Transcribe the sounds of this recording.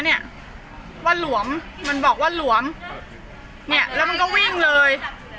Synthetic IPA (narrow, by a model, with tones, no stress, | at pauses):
ni˥˩ɐʔ | waː˥˩lu˩˦əmː | a˧nbɔː˨˩k̚waː˥˩lu˩˦əm | ni˥˩ɐlɛː˦˥wma˧nk̬ɔ˥˩wi˥˩ŋlɤː˧j